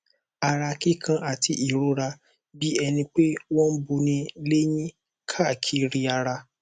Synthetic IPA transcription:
a˧ɾa˧ki˦kʰã˧ʔa˨ti˧ʔi˨ɾo˨˦ɾa˧ | bi˦ɛ˧nĩ˧k͡pe˦wɔ̃˦n̩˦bo˧nĩ˧le˦j̃ĩ˦ | kʰa˦˨kʰi˧˦ɾi˧a˧ɾa˧

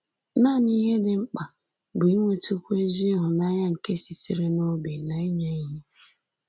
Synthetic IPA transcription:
naː˦˨ni˦ɦe˦dɪ˨ŋ͡m̩˦k͡pa˨ | bʊ˨i˦ŋʷe˦tu˦kʷe˦zi˦ɦʊ˨na˦ɲa˦ŋ̩˨ke˦si˨ti˨ɾe˦no˦be˨na˨i˦ɲa˦i˦ɲe˦

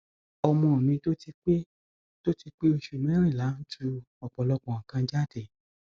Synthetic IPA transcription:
ɔ˧mɔ̃˧˨nĩ˧to˦ti˧k͡pe˦ | to˦ti˧k͡pe˦o˧ʃu˨mɛ̃˦ɾ̃ĩ˦˨la˨˦n̩˦tʰu˦˧ | ɔ˨k͡pɔ˨lɔ˧k͡pɔ̃˨ã˨kã˧d͡ʒa˦˨tɛ˨

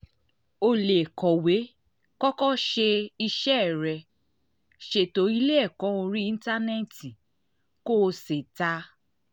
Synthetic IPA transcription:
o˧le˨kɔ˨we˨˦ | kɔ˦kɔ˦ʃe˧i˧ʃɛ˦˨ɾɛ˧˨ | ʃe˧˨to˨˦i˦le˦ɛ˦˨kɔ̃˨˦o˧ɾi˦ĩ˦n̩˦ta˦nɛ˦˨ti˨ | ko˦˧se˨ta˧˦

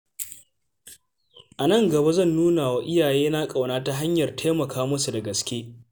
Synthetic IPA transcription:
ʔa˨nɐ˦˨ŋɡɐ˨ba˦zɐ˦˨nːuː˦naː˨wa˦ʔɪ˦jaː˨jeː˦na˦kʼa˨wnaː˦ta˦ɦa˦ɲjɐ˨rtʰa˦mɐ˨kʰaː˦mɐ˦su˨dɐ˨ɡɐ˨skʲeː˦

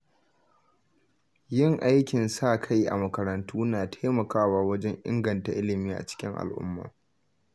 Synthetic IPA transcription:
jɪ˦˨ŋʔa˦jkʲɪ˨nsaː˦˨kʰa˦jʔa̰˨mɐ˨kɐ˨ɾɐ˨ntuː˦naː˨tʰaː˦mɐ˨kaː˦waː˨wɐ˦d͡ʒɛ˦ŋʔɪ̰˦ŋɡɐ˨nta˨ʔɪ˦lɪ˨miː˦ʔa̰˨t͡ʃɪ̥˦kʲɪ˦ŋʔa̰˨lʔʊ̰˦mːa̰ː˨

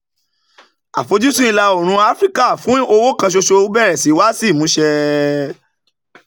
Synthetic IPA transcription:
a̰˨fo˨˧˦d͡ʒu˦sũ˦i˧la˧o˨ɾ̃ũ˧˦a˦fɾi˦ka˦˨fũ˨˦o˧wo˦kã˧ʃ̬o˧ʃo˧˦bɛ˦˨ɾɛ˨si˨˦wa˦si˦˨mũ˨˦ʃɛ˧

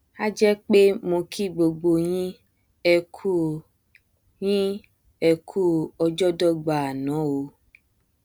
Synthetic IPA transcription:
a˦d͡ʒɛ˦k͡pe˦mõ˧kʰi˦˨ɡ͡bo˨ɡ͡bo˨ɲĩ˦ | ɛ˨kʰu˦ | ɲĩ˦ | ɛ˨kʰu˦ɔ˧d͡ʒɔ˦dɔ˦ɡ͡ba˨a˨nɔ̃˨˦wo˧

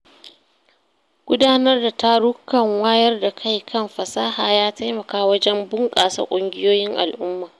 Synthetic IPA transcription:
ɡ̥ʷʊ˦daː˦nɐ˦rda˨ta˦ɽʊ˦kːɐ˨ŋwaː˦jɐ˦rda˨kʰa˦˨jkʰɐ˦mɸɐ˨saː˦haː˨jaː˦ta˦jmɐ˨kaː˦wɐ˦d͡ʒɛ˦mbʊ˦ŋkʼa̰ː˨sa̰˨kʷʼʊ˦ŋɡʲɪ˦joː˦jɪ˦ŋʔa̰˨lʔʊ˦mːaː˨

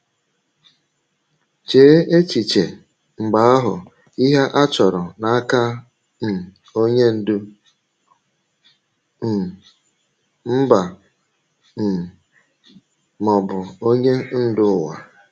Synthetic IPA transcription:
t͡ʃe˨˦e˦t͡ʃi˨t͡ʃe˨ | ŋ͡m̩˨ɡ͡ba˨˦a˦ɦʊ̰˨ | i˦ɦe˦ʔa˦t͡ʃɔ˨ɾʊ˨na˦a˦ka˦ | m̩˨ | o˦ɲe˦n̩˦ | m̩˦ba˨ | mɔ˨bʊ˨o˦ɲe˦n̩˦dʊ˦˨wa̰˨

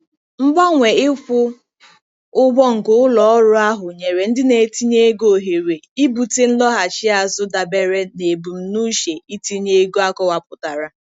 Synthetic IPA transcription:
m̩˦bɔ˦ŋʷe˨ɪ˦fʊ˦ | ʊ˦bɔ˦ŋ̩˨ɡʊ˨˦ʊ˦lɔ˨ɔ˦ɾʊ˦a˦ɦʊ˨ɲe˨ɾe˨n̩˦dɪ˦ne˨ti˦ɲe˦e˦ɡo˨ɦe˨ɾe˨i˦bu˨te˦n̩˦lɔ˦ɦa˨t͡ʃɪ˦a˨zʊ˦da˨be˨ɾe˦ne˨bu˨m̩˨nu˦ʃe˨i˦ti˦ɲe˦ɡu˦a˦kɔ˦wa˨pʊ˨ta˨ɾa˦

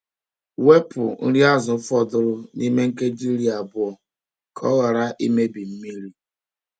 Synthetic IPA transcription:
we˦pʊ˨n̩˦ɾi˦a˦zʊ˨˦fɔ˦dʊ˦ɾʊ˦ni˦me˦ŋ̩˦ke˦d͡ʒi˦ɾi˦a˨bʊ˦ɔ˨ | kʰɔ̰˦ɣa˨ɾa˦ʔi˦me˦bi˨m̩˦mi˦ɾi˦

